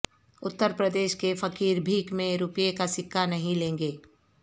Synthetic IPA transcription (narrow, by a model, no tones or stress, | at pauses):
ʊt̪ːəɾpɾəd̪eːʃkefɐkiːɾbʱiːkmẽɾʊpjekasɪkʰːanɐɦĩlẽːŋɡeː